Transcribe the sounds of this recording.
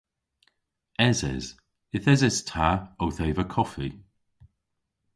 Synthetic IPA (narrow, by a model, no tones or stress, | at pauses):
ɛzɛ̰z | ɪθɛzɛstʰaowθɛjvəkʰɔfi